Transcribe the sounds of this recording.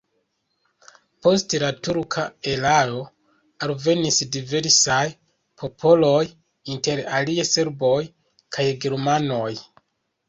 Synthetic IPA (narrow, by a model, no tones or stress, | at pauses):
po̞stelatuɾkʰaelao̞ | alve̞nisdive̞ɾsaj | pʰo̞pʰo̞lo̞j | inte̞ɾaliese̞ɾbo̞j | kʰajɡe̞ɾmano̞j